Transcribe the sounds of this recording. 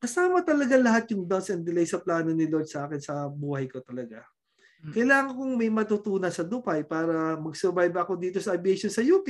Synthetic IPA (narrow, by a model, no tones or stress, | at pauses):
kɐsaːmɐt̪ɐlɐɡalɐɦat̪̚jʊŋd̪ansɛnd̪ɪlɐjsɐplaːno̞nɪloɹd̪sɐʔaːkɪnsɐbuːhɐjko̞t̪ɐlɐɡa | kɐjlaːŋɐŋkʊŋmɐjmɐt̪ut̪uːnɐsɐd̪ʊpɐjpaːɾɐmɐɡsɛɾbajbɐko̞d̪iːt̪o̞sɐʔɐbɪɛʃonsɐjuːpɪ